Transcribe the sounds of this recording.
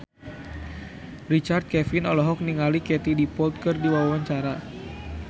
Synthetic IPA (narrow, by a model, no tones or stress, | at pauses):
rit͡ʃart̪̚kɛfinɔlɔɦɔk̚niŋalikɛt̪idipɔlt̪̚kɨrdiwawawaɲt͡ʃaɾa